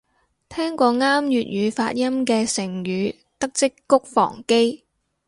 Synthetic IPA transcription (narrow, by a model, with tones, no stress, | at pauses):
t̪ʰɛː˥ŋkʷɔː˧ŋaː˥mjyː˨t̚jyː˨˧faː˧t̚jɐ˥mkɛː˧sɪ˨˩ŋjyː˨˧ | t̪ɐ˥k̚t͡sɪ˥kːʊ˥k̚fɔ̰ː˨˩ŋke˥j